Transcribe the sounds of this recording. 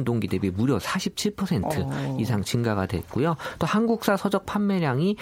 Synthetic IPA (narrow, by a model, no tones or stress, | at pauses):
ndoŋɡide̞bimuɾjʌsʰaɕʰip̚t͡ɕʰiɭpʰʌsʰe̞ntʰɯisʰaŋt͡ɕiŋɡaɡadwe̞̰t̚k͈ujot͈ohanɡuk̚s͈asʰʌd͡ʑʌk̚pʰamːeɾjaŋi